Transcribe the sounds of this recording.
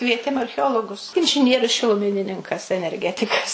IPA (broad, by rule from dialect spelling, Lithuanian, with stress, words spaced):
ˈkʋʲiɛtʲeːm ɐrʲxʲɛˈoːlˠoːɡʊs ɪnʲʒʲɪˈnʲiɛrʲʊs ʃʲɪlˠʊˈmʲɪnʲɪnʲɪŋkɐs ɛnʲɛrʲˈɡʲæːtʲɪkɐs